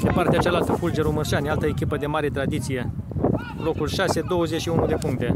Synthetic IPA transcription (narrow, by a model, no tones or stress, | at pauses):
d̪epart̪eat͡ʃalalt̪əfuld͡ʒeɾumɨrʃanʲalt̪əekʲipəd̪e̞maɾe̞t̪ɾad̪it̪sije̞ | lo̞kulʃase̞d̪o̞wəzet͡ʃʃiunud̪e̞puŋkt̪e̞